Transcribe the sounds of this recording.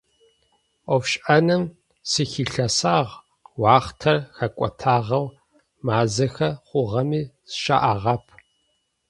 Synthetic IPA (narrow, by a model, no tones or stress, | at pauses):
ɔfɕʼʔɐnɨm | sɨxiɬɐsaːʁ | wɑːχtʰɐrxɐkʷʼɔ̰tʰaːʁɐw | maːzɐxɐχʷʊʁɐmiːsʃa̰ʔaːʁɐpʰ